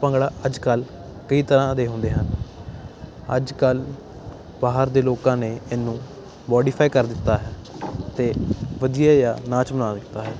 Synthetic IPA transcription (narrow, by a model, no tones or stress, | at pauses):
pə̃ŋɡɽaːʔəd͡ʒkəl | kəiːt̪əɾãːd̪eːɦʊ̃nd̪eːɦən | ə̰d͡ʒkəl | baːɦəɾd̪eːloːkãːneːɪnːũː | mɔːɖiːpʰaːikəɾd̪ɪt̪ːaːɦɛːt̪eːʋəd̪ijaːjaːnaːt͡ʃmənaːd̪ɪt̪ːaːɦɛː